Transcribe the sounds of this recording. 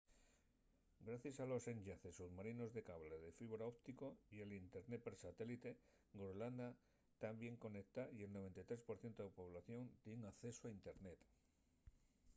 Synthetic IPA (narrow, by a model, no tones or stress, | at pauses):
ɡɾaθjasalo̞se̞ɲɟaθe̞suðmaɾino̞zðe̞kaβle̞ðefiβɾaop̚t̪iko̞jelint̪e̞ɾnet̪̚peɾsat̪e̞lit̪e̞ | ɡoɾoland̪a | t̪ambje̞ŋko̞nekt̪aie̞lno̞β̞e̞nt̪ajt̪ɾe̞spo̞ɾθje̞nt̪oepo̞β̞laθjo̞nt̪jeŋakθe̞soaint̪e̞ɾnet̪